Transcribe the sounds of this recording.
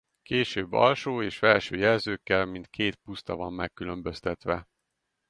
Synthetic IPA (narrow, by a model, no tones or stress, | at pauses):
keːʃøːbːɒ̰lʃoːeːʃfɛlʃøːjɛlzøːkːɛlmint̪kʰeːt̪pust̪ɒvɒmːɛkːylø̞mbø̞st̪ɛt̪ʋɛ